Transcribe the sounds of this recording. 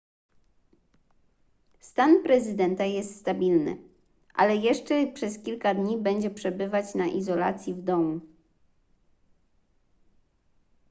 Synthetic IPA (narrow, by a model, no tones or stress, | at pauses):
st̪anpɾɛzɘd̪ɛnt̪ajɛst̪st̪abʲilnɘ̰ | ʔa̰lɛjɛʂt͡ʂɛpʂɛskʲilkad̪ɲibɛɲd͡ʑɛpʂɛbɘvat͡ɕnaʔizɔla̰t̪sʲjivd̪ɔmu